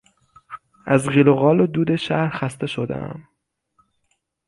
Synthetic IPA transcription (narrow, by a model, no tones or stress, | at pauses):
ʔæzɣiːloɣɒːlod̪uːd̪eʃæhɾxæst̪e̞ʃod̪ḛæ̰m